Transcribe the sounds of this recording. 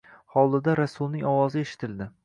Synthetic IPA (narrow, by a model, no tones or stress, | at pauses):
hɒlˠd̪ɪd̪aɾasʊlˠnɪŋɒwɒzɪeʃɪ̥t̪ʰɪld̪ɪ